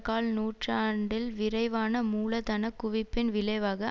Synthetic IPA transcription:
kaːlnuːʈraːɳɖɪlʋɪɾɐɪʋaːnɐmuːlɐt̪ɐnɐkːʊʋɪpːɪnʋɪlɐɪʋaːɣɐ

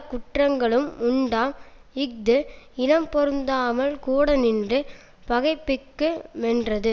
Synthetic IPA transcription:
kʊʈrɐŋɡɐɭɯmʊɳɖaːmɪk̚d̪ɯɪnɐmpɔɾɯnd̪aːmɐlkuːɽɐnɪndrɯ | pɐɣɐɪpːɪkːɯmɛndrɐðɯ

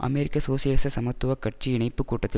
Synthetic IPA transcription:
ʔɐ̰meɾɪkːɐsoːsɪjɐːsɐsɐmɐt̪ːʊʋɐkɐʈ̚t͡ʃiɪɳɐɪpːɯkːuːʈːɐt̪ːɪ

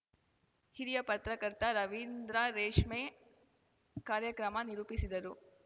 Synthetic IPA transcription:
hiɾijɐpɐt̪ɾɐkɐɾt̪ɐɾɐʋind̪ɾaɾeːʂmeː | kaːɾjɐkɾɐmɐniɾuːpisid̪ɐɾu

